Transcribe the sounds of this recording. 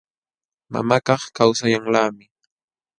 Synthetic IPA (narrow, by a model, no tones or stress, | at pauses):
ma̰makɑχkawsajaŋlaːmɪ